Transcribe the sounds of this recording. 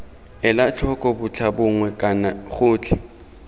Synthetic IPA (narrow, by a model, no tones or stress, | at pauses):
ɪlat͡ɬʰɔkʼɔbʊt͡ɬʰabʊŋwɛkʼanaχʊːt͡ɬʰɪ